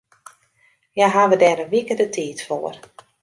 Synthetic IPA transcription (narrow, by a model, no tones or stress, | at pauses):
jaɦaʋədɛːɾənʋikədətʰiːtfoːər